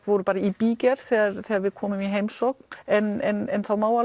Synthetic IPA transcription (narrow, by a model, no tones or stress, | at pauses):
vɔːɾʏpaːɾaipiːcɛɾ̥θɛːɣaɾθɛːɣaɾvɪðkʰɔːmʏmiɦeːjmsowknɛnɛnɛnθawmaːwa